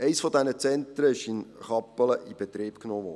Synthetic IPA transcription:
ɛɪsfɔd̪ɛnət͡sɛnt̪ɾəɪʃɪnχɑpːələʔib̥ɛt̪ɾiːb̥knoːʋɔː

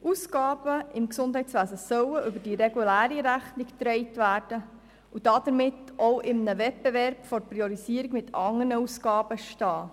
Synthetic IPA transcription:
ʔusɡɑːbəɪmksʊndɦɛjtt͡sʋæːzəsœwəʔʏbəd̥iɾeɡulæːɾiɾæχnikt̪ɾɛɪtʋæːɾd̥ə | ud̥ɑd̥̪əɾmɪtoʊʔɪmnəʋɛt̚b̥eʋɛɾb̥fɔɾpɾiɔɾisiəɾikmɪtʰɑŋənəusɡɑːbəʃtɑː

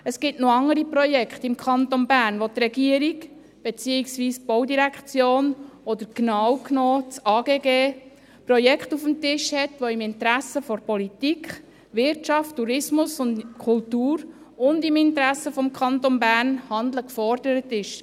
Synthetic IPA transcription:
əsɡ̥ɪtnoɑŋːəɾiprɔjɛkχt̪ɪmkʰχɑnt̪onbæːɾnʋot̪ɾɛɡiəɾik | b̥ɛt͡siːiksʋiːsb̥owdiɾækχt͡sjoːnɔd̪əɾknɑːwknoːt͡sɑːɡeːɡeː | prɔjɛkχtufəmtɪʃhɛtʋoɪmɪntɾæsəfɔɾpɔlitikʰχ | ʋɪɾtt͡ʃɑftːuɾɪsmʊsʊntkʰʊltuːɾ | ʊndɪmɪntɾæsəfɔmkʰɑnt̪ɔnbæːrnhɑnd̪ləkfɔɾd̥əɾətɪʃ

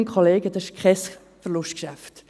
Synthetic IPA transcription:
nkχɔleːɡ̥əd̥̪ɑɪʃkχɛs | fəɾlʊʃtkʃæft

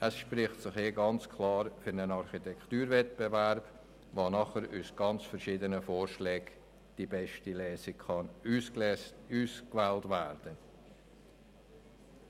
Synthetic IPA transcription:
ʔəsʃpɾɪχtsɪχheːɡɑnt͡skʰlɑːɾfʏɾnənɑɾχitɛkχtyːɾvɛtb̥evæɾb̥ | vonɑχəɾusɡ̥ɑnt͡sfɛɾʃiːdənəfɔːɾʃlɛːɡ | d̥ibɛʃtilɛːsikχɑn | uːskvæːltvæːrd̥ə

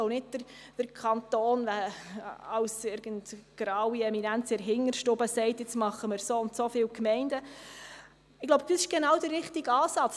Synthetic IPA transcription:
oʊnɪd̚d̥əɾ | d̥əɾkʰɑnt̪oːnʋæ | ɑwsɪɾɡ̥əndɡ̥ɾɑwiɛminænt͡sɛɾɦɪŋːəɾʃtobəsɛɪtjɪt͡smɑχəmɪɾsoːʊntsofɪːwkmɛɪndə | ɪɡ̥loʊbd̥isɪʃɡ̥ɛnɑwd̥ərːɪχtiɡɑːsɑt͡s

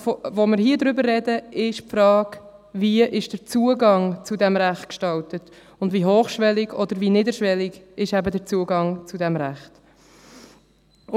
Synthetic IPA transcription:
fvomɪɾhiːədɾʏbərːɛdəɪʃpfɾɑːɡviəʔɪʃd̥əɾt͡suəɡɑŋt͡sudɛmɾæχtkʃtɑltət | ʊndviːɦoːχʃʋɛlɪɡɔd̪əɾviːnɪdəʃʋɛlɪɡɪʃæbədəɾt͡suəɡɑŋt͡sudɛmɾæχt

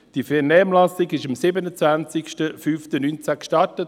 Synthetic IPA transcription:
d̥ifɛnɛːmlasɪɡɪʃɑmsɪbənət͡svænt͡sɪkʃtəfyːftənynt͡sækʃtɑɾtət

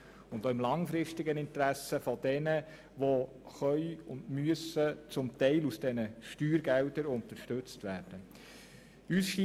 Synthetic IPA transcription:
ʊndoɪmlɑŋfɾɪʃtɪɡənɪnt̪ɾæsəfɔd̥ɛnə | ʋo | χœʏʊndmyəsət͡sʊmtɛɪlusd̥ɛnəʃtyːɾɡældəɾʊnt̪əɾʃtɵt͡stʋæːrd̥ə | ysʃi

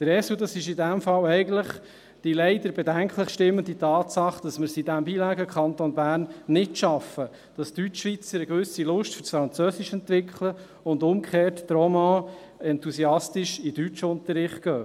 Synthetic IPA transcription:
d̥əɾɛsudɑsɪʃɪdæmfɑlɛɪɡən̩tləχ | d̥ilɛɪd̥əɾbɛdæŋkχləχʃtɪmːənditɑːtsɑχd̥ɑsməɾsidæmbiːlæːɡəkχɑnt̪onbæːrnːɪtʃɑfə | d̥ɑstyt͡ʃːʋit͡səɾəɡ̥ʋɵsilʊʃtfʏɾsfɾɑnt͡søːsɪʃɛnt̪ʋɪkχlə | ʊndʊmkʰχeːrtːɾɔmɑ | ɛntusiɑstiʃɪd̥yt͡ʃʊnt̪əɾɪχt̚ɡ̥œː

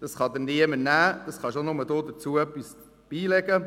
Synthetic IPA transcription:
d̪̥ɑsχɑd̪əniəmənæːd̪̥ɑsχɑʃonʊməd̪oːd̪əɾt͡suəœpːis | b̥iːlɛɡə

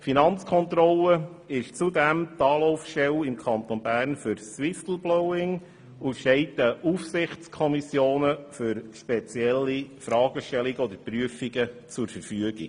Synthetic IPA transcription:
finɑnt͡skʰɔnt̪ɾɔlə | ɪʃt͡sudɛmt̪ɑːlɔʊfʃtɛwɪmkʰɑnt̪onbæːɾnfʏɾswɪft̪l̩blɔʊɪŋ | uʃtɛɪt̪əʔufsɪχt͡skʰɔmisjoːnəfʏɾʃpɛt͡sjɛlːifɾɑːɡəʃtɛliɡəɔd̪əɾpɾyəfiɡət͡sʊɾfəɾfyəɡḭɡ

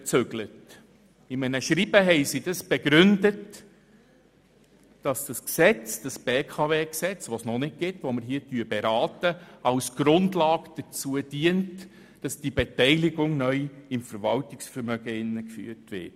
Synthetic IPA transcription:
t͡søɡlət | ɪmɛnəʃɾibəɦɛɪsid̥ɑsb̥eɡɾʏndət | d̥ɑsd̥ɑsksɛt͡sd̥ɑsb̥eːkʰɑveːksɛt͡sʋosnɔnɪt̚ɡ̥ɪtʋoməɾɦiːətyːbeɾɑːtəɑwsɡ̥ɾʊndlɑːɡd̥ət͡suəd̥iːənt | d̥ɑsd̥ibɛtɛɪlɪɡʊŋnœʏɪmfəɾvɑltɪksfəɾmœɡ̥əɪnːəkfy̰ːətʋɪ̰t̚

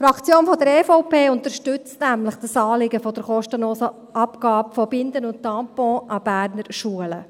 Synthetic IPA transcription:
fɾɑkt͡sjoːnfɔdəɾɛfɔʊpeːʊnt̪əɾʃtʏt͡stnæmləχd̥əsɑːlɪɡəfɔd̥əɾχɔʃtənloːsə | ʔɑpɡ̥ɑːpfɔbɪnd̪ənʊnttɑmpɔ̃ʔɑb̥æːɾnəɾʃuələ

